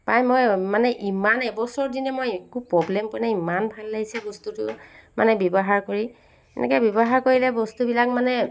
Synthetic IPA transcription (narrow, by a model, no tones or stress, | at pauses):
pajmojmanɛʔimanɛbɔsɔɹdinɛmojɛkupɹɔblɛmpɔnaimanbʱalːaɡisɛbɔstutʊ̰ma̰nɛbjɔbɔɦaɹkoɹi | ɛ̰nɛ̰kɛbjɔbɔɦaɹkoɹilɛbɔstubilakmanɛ